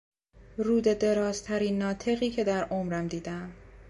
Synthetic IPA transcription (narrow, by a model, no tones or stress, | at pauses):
ruːd̪e̞d̪e̞ɾɒːzt̪ʰæɾiːnːɒːt̪ʰe̞ɣiːkcʰe̞d̪æɾʔomɾæmd̪iːd̪æm